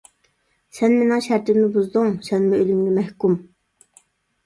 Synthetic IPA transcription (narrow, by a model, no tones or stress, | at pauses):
sɛnmenɪŋʃæɾt̪ɪmnɪbuzd̪uŋsɛnmɪølymɡʲɛmɛhkum